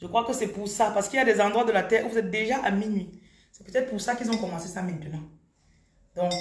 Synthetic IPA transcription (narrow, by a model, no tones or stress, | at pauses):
ʒəkχwakəsɛpuʁsapaʁsə̥kiljad̪ɛzɑ̃d̪ʁwad̪əlat̪ɛːʁuvuzɛt̪̚d̪eʒaʔaminɥi | sɛpøt̪ɛt̪χəpuʁsakilzɔ̃kɔmɑ̃sesamɛ̃t̪ənɑ̃ | d̪ɔ̃k